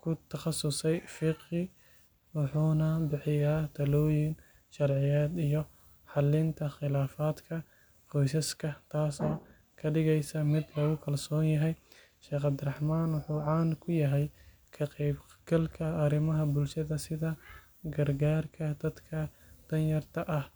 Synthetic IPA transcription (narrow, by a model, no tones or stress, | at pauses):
kʰʊt̪ʰɐχɑsʊsɛjfɪqɪ | wɑħuːnɐbɪħɪjaːt̪ʰɐlɔːjɪŋ | ʃɐrʕɪjaːd̪ijɔ | ħɑlɪnt̪ʰɐχɪlaːfaːd̪kʰɐ | qɔjsɐskʰɐt̪ʰaːsɔː | kʰɐɖɪɣɛjsɐmɪd̪lɐɣʊkʰɐlsɔːnjɐɦɛj | ʃɛːχɑbd̪ɪrɐħmaːnwʊħuːʕɑːnkʰʊjɐɦɛj | kʰɐqɛjbɡ̥ɐlkʰɐɐɾɪmɐɦɐbʊlʃɐðɐsɪðɐ | ɡɐrɡaːrkʰɐd̪̥ɐd̪kʰɐd̪̥ɐnjɐrt̪ʰɐʔɐh